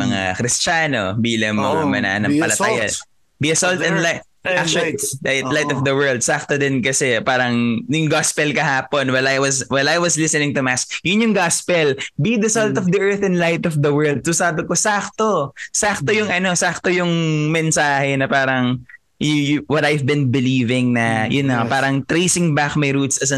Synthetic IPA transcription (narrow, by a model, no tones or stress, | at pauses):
mɐŋa̰kɾɪst͡ʃaːno̰biːlɐŋmɐmɐ̰na̰nɐŋpɐlɐttaːja̰ | biɐsɔlt̪ɛnlaj | ak̚t͡ʃajtlajt̪ɔfd̪ɐwɛɹld̪̚sak̚t̪od̪ɛnkɐsɛpaːɾɐŋjʊŋɡaspɛlkɐhaːponwɐlajwɐswɛlajwɐslɪsɛnɪŋt̪ʊmask̚jʊnjʊŋɡaspɛlbid̪ɐsolt̪ɔfd̪iʔɛɹθɛ̃nlajt̪ɔfd̪ɐwɜ˞ld̪̚sosaːbɪkosaːk̚t̪osak̚t̪ojʊŋʔɐno̞sak̚t̪ojʊŋmɛnsaːhɛnɐpaːɾɐŋ | jjwɐt̪ajvbɪnbɪliːvɪŋnɐjʊnːɐpaːɾɐŋt̪ɾejsɪŋbakmɐjɾut̪sɐsɐ